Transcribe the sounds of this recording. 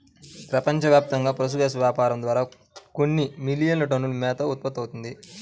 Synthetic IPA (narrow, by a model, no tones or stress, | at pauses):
pɾɐpɐɲt͡ʃɐʋjaːp̚t̪ɐŋɡaːpɾɐs̬uɡ̪eːs̬ɐʋjaːpaːɾɐmd̪ʋaːɾaː | konːimilijɐnlɐʈɐnːulumɛːt̪ɐut̪̚pɐt̪ːɐwt̪und̪i